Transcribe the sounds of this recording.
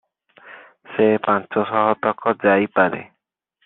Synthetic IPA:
sepãnt͡ʃɔsɔɦɔt̪ɔkɔd͡ʒajpaɾḛ

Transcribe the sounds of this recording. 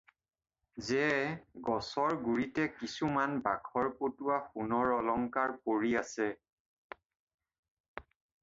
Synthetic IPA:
zɛɡɔsɔɹɡuɹitɛkisumanbakʰɔɹpotuwaxunɔɹɔlɔŋkaɹkoɹiasɛ

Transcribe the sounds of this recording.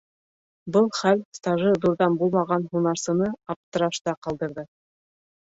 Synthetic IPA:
bɤlˠχælst̪ɑʒɤðuɾðɑnbulˠmɑʁɑnhunɑɾsɤ̆nɤɑp̚t̪ɤ̆ɾɑʃt̪ɑqɑlˠd̪ɤ̆ɾðɤ

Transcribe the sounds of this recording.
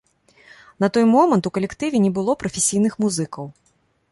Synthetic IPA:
nɐt̪ɔjmɔmɐnt̪ukɐlʲɛkt̪ɨvʲɛnʲɛbɨlˠɔpɾɐfʲɛsʲijnɨxmuzɨkɐw

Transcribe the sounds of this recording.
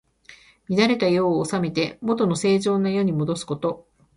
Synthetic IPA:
mʲid̪aɾe̞t̪ajo̞ːsame̞t̪e̞mo̞t̪o̞no̞se̞ːʑo̞ːnːajo̞ɲ̟imo̞d̪o̞sɨ̥ko̞t̪o̞

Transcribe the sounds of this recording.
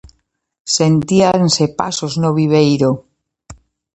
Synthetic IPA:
sent̪iansepa̰soznoβ̞iβ̞ejɾo

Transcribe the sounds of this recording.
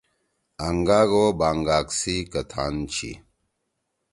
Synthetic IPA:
aŋɡaːɡobaːŋɡaːksikɐt̪ʰa̰nt͡ɕʰḭ

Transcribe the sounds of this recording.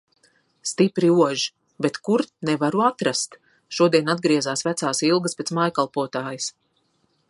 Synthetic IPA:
st̪ipɾiuɔʒi | bet̪kuɾt̪nɛvaɾuat̪ɾast̪ | ʃuɔd̪iɛnad̪̚ɡɾiɛzaːsvæt̪saːsilˠɡəspʲetsmajkalˠpuɔt̪aːjis

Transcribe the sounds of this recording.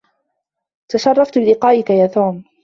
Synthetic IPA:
t̪aʃɑrˤːɑft̪bɪlɪqɑːʔɪkajaːt̪uːm

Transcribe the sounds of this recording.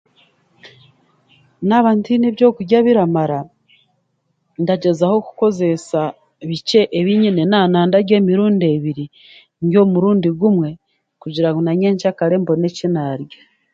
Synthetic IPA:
naβaːntiniβjo̞ːkuɾɟaβiɾamaɾa | ndaɟe̞zaho̞ku̥ko̞ze̞sa | βice̞ʔeβiɲinenaːnaːndaɾɟe̞ːmiɾuːnde̞βiɾi | ɲɟo̞muɾuːndiɡumwe̞ | kuɟiɾaŋɡonaɲeːɲt͡ʃakaɾe̞mbo̞ne̞cinaːɾɟa

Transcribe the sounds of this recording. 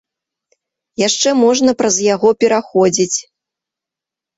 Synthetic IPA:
jaʂt͡ʂɛmɔʐnɐpɾɐzjaɣɔpʲɛɾaxɔd͡zʲit͡sʲ

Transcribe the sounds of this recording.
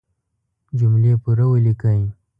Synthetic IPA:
d͡ʒumlepuɾawelikəji

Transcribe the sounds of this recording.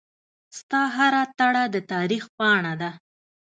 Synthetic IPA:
st̪ɑɦaɾat̪aɽad̪ət̪ɑɾixpɑɳad̪a

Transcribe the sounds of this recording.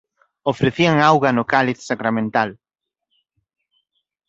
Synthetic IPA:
ofɾeθiaŋawɣɐnʊkalɪt̪sakɾamẽnt̪al

